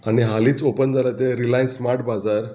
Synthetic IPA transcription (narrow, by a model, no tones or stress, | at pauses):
aɽ̃iɦaliːt͡sopənd͡zalat̪eɾilajnsmaɾʈ̚bad͡zaɾ